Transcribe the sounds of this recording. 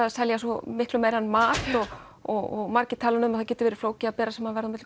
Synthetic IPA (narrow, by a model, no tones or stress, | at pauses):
aðsɛljas̬ɔmɪhklʏmeːjɾanmaːt̪ɔɣ | ɔɔɣmaɾcɪt̪ʰaːlʏnʏmaðθacɛːt̪ʏvɛːɾɪ̥floːwcɪapɛːɾasɛmhaðvɛɾðʏmɪt̪